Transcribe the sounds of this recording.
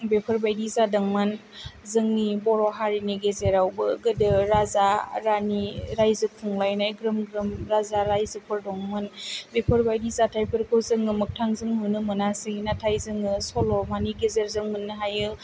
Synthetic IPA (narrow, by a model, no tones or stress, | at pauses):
bepʰɯɾbajdizadɐŋmɯn | zɯŋnibɔɾɔɦaɾiniɡezeɾawbɯɡɯdɯɾazaɾaniɾajzɯpʰuŋlajnajɡɾɯmɡɾɯmɾazaɾajzɯpʰɯɾdɔŋmɯnbepʰɯɾbajdizatʰajpʰɯɾkʰɯwzɯŋɯmɯk̚tʰaŋzɯŋɦunɯmɯnasiŋinatʰajzɯŋɯsɔlɔmaniɡezeɾzɯŋmɯnːɯɦajɯ